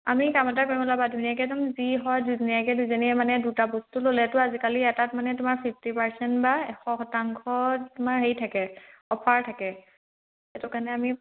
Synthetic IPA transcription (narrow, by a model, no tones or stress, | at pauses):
a̰mikamɔt̬ak̬ɔɹimɔlabadʱunijakɛtʊmziɦɔjduzɔnijakɛduzɔniɛmanɛdutabostulolɛtʊazikaliɛtatmanɛtʊmaɹpʰipʰtipaɹsɛntbaɛxɔxɔtaŋkʰɔtʊmaɹɦejtʰakɛɔpʰaɹtʰakɛ | ɛtʊkanɛami